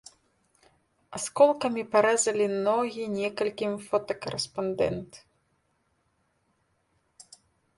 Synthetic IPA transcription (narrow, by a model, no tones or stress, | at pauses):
askɔlˠkɐmʲipaɾɛzɐlʲinɔɣʲinʲɛkɐlʲkʲimfɔt̪ɐkɐɾɛspand̪ɛ̰nt̪